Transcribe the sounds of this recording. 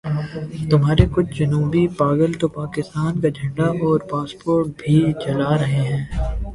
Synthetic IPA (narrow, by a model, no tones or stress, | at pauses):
t̪ʊmɦaːɾekʊt͡ʃʰd͡ʒɐnuːbipaːɡəlt̪opaːkɪst̪aːnkad͡ʒʱɐ̃ɳɖaʔɔːɾpaːspoːɾʈ̚bʱit͡ʃɐlaːɾɐɦeɦɛ̃ː